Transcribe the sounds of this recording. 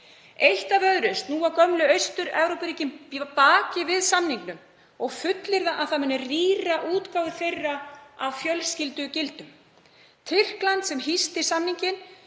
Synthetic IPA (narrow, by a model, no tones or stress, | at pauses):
ejht̪avœðɾʏst̪nuːakœmlʏœɥst̪ʏɾɛvɾowpɾiːcɪmpaːcɪvɪðsamniŋknʏm | ɔɣfʏt̪lɪɾðaʔaθamɛnːɛriːraʔuːt̪kaːwðɪθejrːaavfjœlscɪlt̪ʏcɪlt̪ʏm | t̪ʰɪr̥klant̪sɛmɦist̪ɪ̥samniɲcɪn